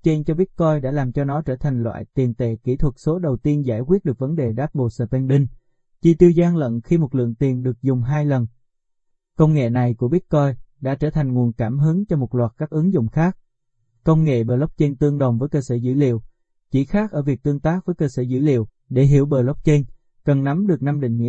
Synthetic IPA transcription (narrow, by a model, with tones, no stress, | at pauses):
t͡ɕe˧nt͡ɕɔ˧ɓi˦˥ət̚kɔ˧jɗa̰ː˧˥laː˨˩mt͡ɕɔ˧nɔ˨˦t͡ɕəː˧˩t̪ʰa˨˩ŋlwa̰ː˧˨jt̪i˨˩nt̪ḛ˧˩ki˧˩t̪ʰwə˨˩t̚so˨˦ɗə˨˩wt̪i˧ənzaː˧˩jkwi˦˥t̚ɗɨ˨˩ək̚və˨˦nɗe˨˩ɗaː˦˥t̚ɓo̰˨˩t̚səː˧˩p̪ɛ˧nɗï˧ŋ | t͡ɕi˧˩t̪i˧wzaː˧ŋlə̰˧˨nxi˧mo˨˩t̚lɨ̰˧˨əŋt̪i˨˩ənɗɨ˨˩ək̚zʊ˨˩ŋ͡mɦaː˧jlə˨˩n | kə˧wŋ͡mŋḛ˧˨na˨˩jku˧˩əɓi˦˥t̚kɔ˧jɗa̰ː˧˥t͡ɕəː˧˩t̪ʰa˨˩jŋ̟ŋu˨˩ənkaː˧˩mɦɨ˨˦ŋt͡ɕɔ˧mo˨˩t̚lwaː˨˩t̚kaː˦˥k̚ʔɨ˨˦ŋzʊ̰˧˨ŋ͡mxaː˦˥k̚ | kə˧wŋ͡mŋḛ˧˨ɓəː˨˩lə˦˥wk͡p̚t͡ɕe˧nt̪ɨ˧əŋɗə˨˩wŋ͡mvəː˨˦jkəː˧səː˧˩zɨ̰˧˥lḭ˧˨əw | t͡ɕi˧˩xaː˦˥k̚ʔəː˧˩vi˨˩ək̚t̪ɨ˧əŋt̪aː˦˥k̚vəː˨˦jkəː˧səː˧˩zɨ̰˧˥lḭ˧˨əw | ɗe˧˩ɦi˧˩əwɓəː˨˩lk͡p̚t͡ɕe˧n | kə˨˩nna˨˦mɗɨ˨˩ək̚na˧mɗḭ̈˧˨ŋ̟ŋḭ˧˥